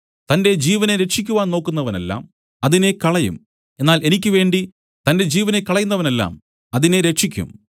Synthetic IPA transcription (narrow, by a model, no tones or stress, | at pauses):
t̪ɐnde̞d͡ʑiːʋɐne̞ɾe̞t͡ʃikʲːuʋaːnno̞ːkːunːɐʋɐne̞̰lːa̰ːm | ɐðine̞kɐɭɐjṵm | e̞nːaːle̞nikʲːɨʋe̞ːɳɖi | t̪ɐnde̞d͡ʑiːʋɐne̞kːɐɭɐjunːɐʋɐne̞lːa̰ːm | ɐðine̞ɾe̞ʂikʲːṵm